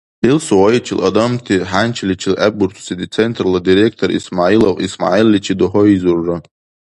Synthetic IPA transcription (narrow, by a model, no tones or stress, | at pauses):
ilsuwajit͡ʃʰɪlʔɐd̪amt̪ʰiħant͡ʃʰlit͡ʃʰɪlʔaburtʰsid̪it͡sʰent̪ʰrlad̪iɾek̚ʰtʰoɾismaʕilovisma̰ʕilːit͡ʃʰid̪oɦɔizurːa